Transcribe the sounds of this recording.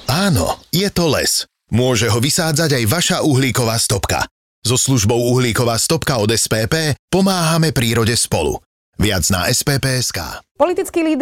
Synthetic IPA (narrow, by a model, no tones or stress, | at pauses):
aːnɔ̰jɛt̪ɔlɛ̰s | mʊɔʒɛɦɔʋisaːd͡zaɟajʋaʃaʔuɦliːkɔʋaːst̪ɔpka̰ | zɔsluʒbɔʊuɦliːkɔʋaːst̪ɔpkaɔd̪ɛspɛːpɛːpɔmaːɦamɛpɾiːɾɔɟɛspɔlṵ | ʋɪad͡zna̰ɛspɛːpɛːɛska̰ːpɔlit̪it͡skiːliːd̪